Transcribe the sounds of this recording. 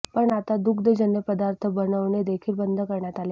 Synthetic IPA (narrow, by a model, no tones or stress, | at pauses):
pəɳat̪ad̪ukd̪əd͡ʑənjəpəd̪aɾt̪ʰəbənəʋɳed̪ekʰiːlbənd̪ʱəkəɾɳjat̪ale